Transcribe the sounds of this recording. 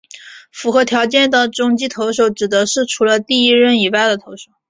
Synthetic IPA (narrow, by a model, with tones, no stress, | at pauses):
fu˧˥xɤ˧˥t̪ʰjɑ˧˥ʊt͡ɕjɛ˥˩nt̪ə˩ʈ͡ʂʊ˥ŋt͡ɕi˥t̪ʰo˧˥ʊʂo˧˩ʊʈ͡ʂɻ̩˨˩d̪ə˧˦ʂɻ̩˥˩ʈ͡ʂʰu˧˥lə˧t̪i˥˩i˥ɻə˥˩ni˨˩wa˥˩ɪd̪ə˩t̪ʰo˧˥ʊʂo˨˩˦ʊ